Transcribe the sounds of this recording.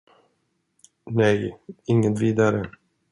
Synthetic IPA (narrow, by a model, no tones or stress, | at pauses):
nɛjɪŋːət̪viːd̪aɾə